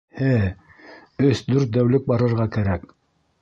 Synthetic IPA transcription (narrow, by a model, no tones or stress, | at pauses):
hæ | ɵsd̪ʉɾt̪̚d̪æwlɵk̚bɑɾɤ̆ɾʁɑkæɾæk